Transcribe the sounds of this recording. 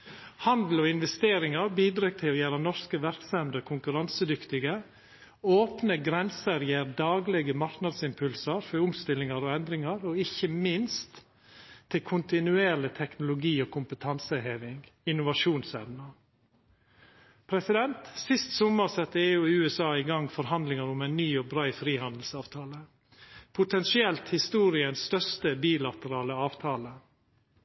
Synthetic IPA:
hɑnd̪l̩oːɪnʋɛst̪eːɾɪŋɑɾbiːd̪ɾɑːɡ̚t̪ʰɪlɔjæːɾənɔɾskəʋæɾksɛmd̪əkʰʊŋkʉɾɑnsəd̪ʏkt̪ɪɡə | oːpnəɡɾɛnsəɾjeːɾd̪ɑːɡlɛɡəmɑɾknɑd̪sɪmpʰʉlsəɾfɔɾʊmst̪ɪlːɪŋɑɾoɛnd̪ɾɪŋɑɾɔɪçəmɪnst̪ʰː | ɪlkʰʊnt̪ɪnʉeːɭɪt̪ʰɛknʊlʊɡiːoːkʰʊmpət̪ʰɑnsəheːʋɪŋɪnʊʋɑʂuːnsɛʋnə | pʰɾɛsɪd̪ɛnt̪sɪst̪sɔməɾsɛt̪ːəeːʉːɪʉːɛsɑːɪɡɑŋfɔɾɦɑnd̪lɪŋɑɾʊmæɪnnyːoːbɾɑɪfɾiːhɑnd̪l̩sɑːʋt̪ʰɑːlə | pʰʊt̪ʰɛnsɪɛlt̪hɪst̪uːɾɪənsst̪œʂt̪əbiːlɑt̪əɾɑːləɑːʋt̪ʰɑːlə

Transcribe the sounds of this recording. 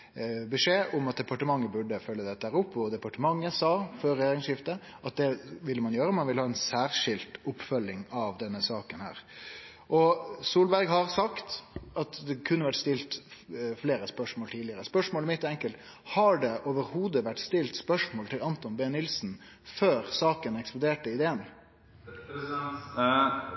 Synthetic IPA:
bɛʂeːʔʊmɑt̪̚d̪ɛpɑʈəmɑŋːəbʉɖəfœlːəd̪ɛt̪ːəæːɾʊpːɔd̪ɛpɑʈəmɑŋːəsɑːfœɾɛjeːɾɪŋsʂɪft̪ə | ʔɑt̪̚d̪ɛʋɪlːəmɑnjøːɾəmɑnʋɪləhɑːɛnsæːɾʂɪlt̪ʊpːfœlːɪŋɑʋd̪ɛnːəsɑːkənhæ̰ːɾ | ʔɔsuːlbæɾɡɦɑɾsɑkt̪ɑt̪d̪ɛkʰʉnːəʋæʈst̪ɪlt̪fleːɾəspœʂmoːlt̪ʰiːd̪ɪəɾəspœʂmoːlɪmɪt̪ːɛŋkəlt̪ | hɑɖɛʔoːʋəɾhuːd̪əʋæʈːst̪ɪlt̪spœʂmoːlt̪ʰɪlɑnt̪ɔnbeːnɪlsn̩ | føːɾsɑːkənɛksplʊd̪eːʈəɪd̪eːən

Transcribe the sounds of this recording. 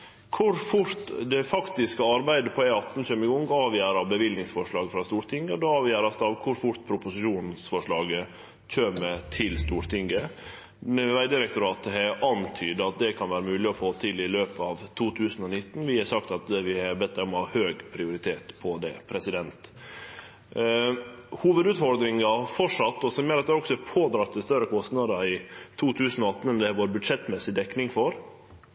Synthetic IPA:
kʰʊɾfʊɾt̪d̪ɛfɑkt̪ɪskəɑɾbæɪd̪əpʰɔæɪɑt̪ːn̩çœmɪɡʊŋɡɑːʋjæːɾɑbəʋɪlnɪŋsfɔʂɭɑːɡəfɾɑst̪uːɾt̪ʰɪŋɡəɔd̪oːɑːʋjæːɾɑst̪ɑʋkʰʊɾfʊɾt̪pʰɾʊpʊsɪʃuːnnsfɔʂɭɑːɡə | c͡çʰøːmət̪ʰɪlst̪uːɾt̪ʰɪŋɡə | ʋæɪd̪ɪɾɛk̚t̪ʊɾɑːt̪əhɛʔɑnt̪ʰyːd̪əɑt̪̚d̪ɛkʰɑnʋæːɾəmʉːlɪɔfoːt̪ʰɪlɪløːpəɑːʋt̪ʰuːt̪ʰʉːsənɔnɪt̪ːn̩ʋɪhɑɾʂɑkt̪ɑt̪ʋɪhɑɾbɛt̪̚ːæɔmhɑhøːɡpʰɾɪʊɾɪt̪ʰeːt̪pʰɔd̪ɛ̰pʰɾɛsɪd̪ɛnt̪ | huːʋəd̪ʉːt̪fɔɾd̪ɾɪŋɑfɔʂɑt̪ːɔsɔmjɛːɾɑt̪̚d̪ɛæɾɔksɔpʰoːd̪ɾɑt̪ʰːɪst̪œɾəkʰɔst̪nəd̪ɑɪt̪ʰuːt̪ʰʉːsənɔɑt̪ːn̩ɛnd̪ɛæɾʋoːɾbʉd̪ʂɛt̪mɛsɪd̪ɛkːnɪŋfɔɾ

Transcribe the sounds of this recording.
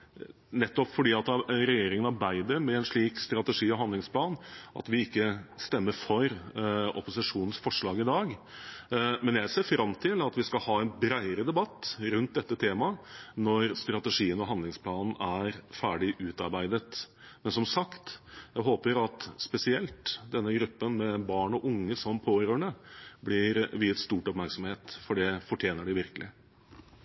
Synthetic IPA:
nɛt̪ːɔpfɔɖiːɑt̪ɾɛjeːɾɪŋənɑɾbæɪd̪əɾmɛɛnʂɭiːkst̪ɾɑt̪əʂiːɔɦɑnd̪lɪŋspʰlɑːnʔɑ̰t̪ʋɪɪkːəst̪ɛmːəɾfɔɾɔ̰pʊsɪʂuːnənsfɔʂɭɑːɡɪd̪ɑːɡ | mɛnjæɪseːɾfɾɑmt̪ʰɪlɑt̪ʋɪskɑhɑːɛnbɾæɪəɾəd̪ɛbɑt̪ːɾʉnt̪̚d̪ɛt̪ːət̪ʰeːmɑnɔɾst̪ɾɑt̪ɛʂiːənɔɦɑnd̪lɪŋspʰlɑːnn̩æɾfæːɖɪʔʉːt̪ɑ̰ɾbæɪd̪ət̪ | mɛnsɔmsɑkt̪jæɪɦoːpəɾɑt̪spɛsɪɛlt̪d̪ɛnːəɡɾʉpːənmɛbɑːɳɔʔʊŋːəsɔmpʰoːɾøːɳɛblɪɾʋiːət̪st̪uːʈɔpmæɾksɔmheːt̪fɔɖɛfɔʈʰjeːnəɖɪʋɪɾkəlɪ

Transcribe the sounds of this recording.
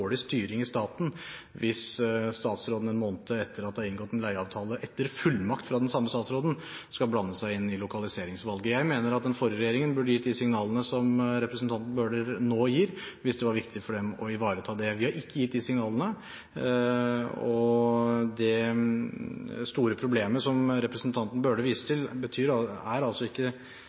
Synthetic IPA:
oːɽɪst̪yːɾɪŋɪst̪ɑːt̪nʋɪsst̪ɑːt̪sɾoːd̪n̩ɛnmoːnət̪ʰəɛt̪ʰːəɾɑt̪d̪hɑɪŋɡɔt̪ːɛnlæɪɑːʋt̪ʰɑːləʔɛt̪ːəɾfʉlːmɑkt̪fɾɑd̪ɛnsɑmːəst̪ɑːt̪sɾoːd̪n̩ | skɑlblɑnːəsæɪɪnːɪlʊkʰɑlɪseːɾɪŋsʋɑlɡəjæɪmeːnəɾɑt̪̚d̪ɛnfɔɾəɾɛjeːɾɪŋənbʉɖəjɪt̪ːd̪ɪsɪŋnɑːlənəsɔmɾɛpɾəsn̩t̪ɑnt̪n̩bøːɖəɾnoːjiːɾʋɪsd̪ɛʋɑɾʋɪkt̪ɪfɔɖɛmɔɪʋɑːɾət̪ʰɑːd̪ɛʋɪhɑɾɪkːəjɪt̪̚ːd̪ɪsɪŋnɑːlənə | ɔ | d̪ɛ | st̪uːɾəpʰɾʊbleːməsɔmɾɛpɾəsnt̪ʰɑnt̪n̩bøːɖəʋiːsə̥t̪ʰɪlbət̪ʰyːɾɑæɾɑlsɔɪkːə

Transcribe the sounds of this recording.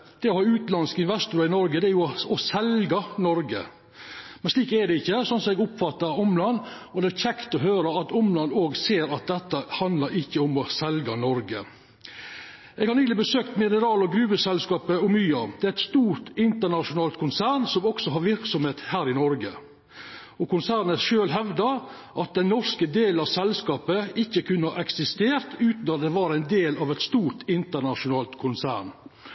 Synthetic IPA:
d̪̥ɛɔhɑɾʉːt̪lɑnskəɪnʋɛst̪ʊɾɑɪnɔɾɡəd̪ɛæɾjʊɔsɛlɡɑnɔɾɡə̰ | mɛnʂliːkɛdɛɪçːəsɔnsɔmɛɡʊpfɑt̪ːəɾʊmlɑnː | ɔd̪ɛæɾçʰɛkt̪ɔɦøːɾəɑt̪ʊmlɑnːoːɡseːɾɑt̪̚d̪ɛt̪ːəhɑnd̪ləɾɪçːəʊmɔsɛlɡɑnɔɾɡə | ɛːɡhɑɾnyːlɪbəsøːkt̪mɪnəɾɑːlɔɡɾʉːbəsɛlskɑːpəʊmyːɑd̪̥ɛæɪt̪st̪uːɾt̪ɪnt̪əɳɑʃʊnɑːlt̪̚kʰʊnsæːɳsɔmɔksɔɦɑɾʋɪɾksɔmheːt̪hæːɾɪnɔɾɡə | ɔkʊnsæːɾɳəʃøːlɦɛʋd̪əɾ | ʔɑt̪̚d̪ɛnːɔɾskəd̪eːlnɑʋsɛlskɑːpəɪçːəkʰʉnːəhɑʔɛksɪst̪eːɾt̪ʉːt̪n̩ɑt̪d̪ɛʋɑːɾæɪnd̪eːlɑʋɛt̪st̪uːɾʈɪnt̪əɳɑʂʊnɑːlt̪kʰʊnsæ̰ːɳ

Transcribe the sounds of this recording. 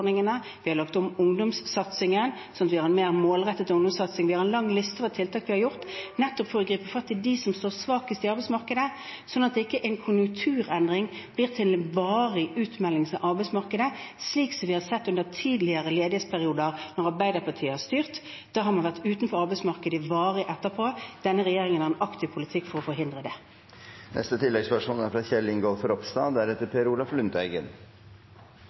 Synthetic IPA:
nɪŋənə | ʋɪhɑɾlɑkt̪ɔmʊŋd̪ʊmsːɑt̪sɪŋənsɔnt̪ʋɪhɑɾɛnmeːʁmoːlʁɛt̪ːət̪ʊŋd̪ʊmsɑt̪sɪŋʋɪhɑɾɛnlɑŋːlɪst̪əoʋt̪ʰɪlt̪ʰɑːkʋɪhɑɾjʊʁt̪nɛt̪ːɔpfɔɾɔɡɾiːpəfɑt̪ʰːɪd̪ɪsɔmst̪oːɾsʋɑːkəst̪ɪɑɾbɛɪsmɑʁkəd̪ə | sɔnːɑt̪̚ɛɪkːəʔæɪnkʰʊnjʊŋkt̪ʰʉːʁɛnd̪ʁɪŋb̥liːʁt̪ʰɪlbɑːʁɪʔʉːt̪mɛlːɪŋsɑʔɑɾbæɛɪsmɑʁkəd̪əsliːksɔmʋɪːhɑɾsɛt̪ːʉnd̪əʁt̪ʰiːd̪lɪəʁəleːd̪ɪheːt̪spʰæʁɪuːd̪əʁnɔʁɑʁbæɪd̪əɾpʰɑt̪ʰiːəhɑst̪yːʁt̪ | d̪̥ɑːɦɑɾmɑnʋæʁt̪ʉːt̪n̩fɔɾɑɾbæɛɪsmɑʁkəd̪əʋɑːɾɪʔɛt̪ːəpʰoːd̪̥ɛnːəʁɛjeːʁɪŋənæːʁɛnɑkt̪ʰɪʋpʰʊlɪt̪ʰɪkːfɔʁɔfɔɾɦɪnd̪ʁəd̪ɛ | nʔɛ̰st̪ət̪ʰɪlːɛɡspæʂuːnæɾfɾɑːçɛlɪŋɡoːlfɾɔpst̪ɑːd̪æɾɛt̪ːəɾpʰeːɾuːlɑflʉnt̪æɪɡə̰n

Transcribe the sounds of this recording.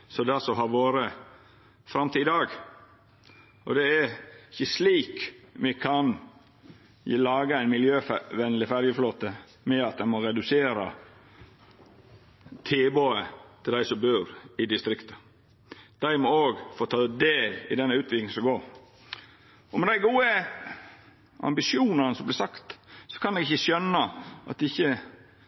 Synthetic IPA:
sɔd̪æsɔɦɑɾʋoːɾə | fɾɑmt̪ʰiːd̪ɑːɡ | ɔd̪ɛæɾɪçəsliːkmɛkʰɑn | lɑːɡəæɪnmɪljøːfʋɛnlɪfæɾjəfloːt̪ə | mɛɑt̪̚d̪æɪmɔɾɛd̪ʉseːɾɑ̰ | t̪ʰeːboːət̪ʰɪld̪æɪsɔmbøːɾɪd̪ɪst̪ɾɪkt̪ə̥ | d̪̥æɪmɔoːɡfoːt̪ʰɑːd̪eːlɪ̰d̪ɛnːəʉːt̪ʰʋɪlɪŋ̩sɔɡoːɾ | ɔmɛd̪æɪɡuːə | ʔɑ̰mbɪʂɪuːnɑnəsɔmblɪːsɑkt̪sɔ̥kʰɑnd̪ɛɡɪçəʃœnːəʔɑ̰t̪ɪçːə

